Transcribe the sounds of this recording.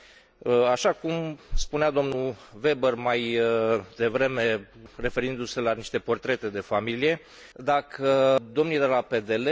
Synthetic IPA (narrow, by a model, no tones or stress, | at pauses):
aʃakumspunead̪o̞mnuve̞bərmajd̪e̞vɾe̞me̞re̞fe̞ɾind̪use̞laniʃt̪e̞po̞rt̪ɾe̞t̪e̞d̪e̞familije̞ | d̪akʰəd̪o̞mnuijd̪elape̞d̪ele